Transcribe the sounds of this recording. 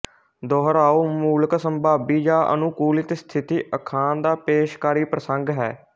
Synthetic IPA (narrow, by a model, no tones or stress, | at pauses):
d̪ɔːɦɾaːoːmuːləksəmbʱaːbiːd͡ʒaːʔə̰nʊkuːlɪt̪st̪ʰɪt̪iːʔəkʰaːnd̪aːpeːʃkaːɾiːpɾəsəŋɡɦɛ̰ː